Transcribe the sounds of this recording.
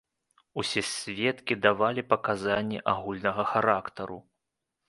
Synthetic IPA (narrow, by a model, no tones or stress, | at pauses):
usʲɛsʲvʲɛt̪kʲid̪avalʲipɐkazanʲːɛʔaɣulʲnɐɣɐxaɾakt̪ɐɾṵ